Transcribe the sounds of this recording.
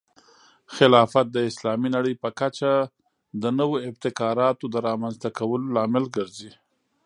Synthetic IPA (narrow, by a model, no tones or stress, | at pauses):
xɪlɑfat̪̚d̪əɪslɑminaɽəjpəkat͡ʃa | d̪ənəwoɪb̚t̪ɪkɑɾɑt̪od̪əɾɑmanzt̪akawəlolɑmɪlɡəɾzi